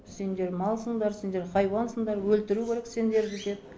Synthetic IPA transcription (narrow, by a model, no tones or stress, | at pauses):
se̞nd̪e̞ɾmɑlˠsəɴd̪ɑɾse̞nd̪e̞ɾχɑjwɑnsəɴd̪ɑɾwɵlt̪ɪɾukʲʰeɾekse̞nd̪e̞ɾɡʲet̪e̞d̪ɪ